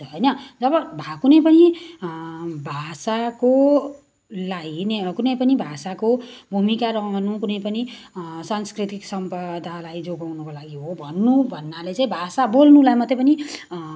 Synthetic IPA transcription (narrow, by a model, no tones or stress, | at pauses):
ʌjnʌd͡zʌbʌbʱakunʌjpʌni | bʱasako | lainekunʌjpʌnibʱasakobʱumikaɾʌɦnukunʌjpʌni | sanskrit̪iksʌmpʌd̪ʱalajd͡zoɡawnʌkolaɡiɦobʱʌnːubʱʌnːalet͡saĩbʱasabolnulajmʌt̪ːepʌni